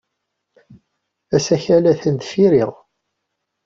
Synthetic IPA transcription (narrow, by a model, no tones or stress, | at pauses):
æsæçælæθənt̪fiɾiʁ